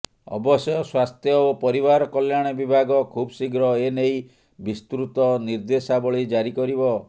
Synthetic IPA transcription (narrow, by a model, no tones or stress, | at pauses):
ɔ̰bɔsjɔswast̪ʰjɔopɔɾibaɾɔkɔljaɽ̃ebibʱaɡɔkʰubsiɡɾɔenej | bist̪ɾut̪ɔniɾd̪esabɔɭid͡ʒaɾikɔɾibɔ